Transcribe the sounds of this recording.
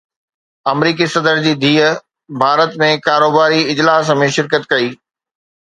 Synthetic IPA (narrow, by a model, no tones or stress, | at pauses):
ɐmɾiːkisɐd̪əɾd͡ʑiːd̪ʱiːə | bʱaːɾət̪mẽkaːɾoːbaːɾiɪd͡ʑlaːsmẽʃɪɾkət̪kɐiː